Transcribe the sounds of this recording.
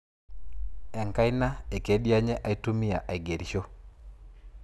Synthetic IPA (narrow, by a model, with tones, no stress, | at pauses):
ɛ˨ŋka˦ɪ˦na˦e˨ke˦dja˦ɲɛ˦ʔa˦i˦tu˦mɪ˦ja˨ʔa˨ɡe˨ɾʃo˦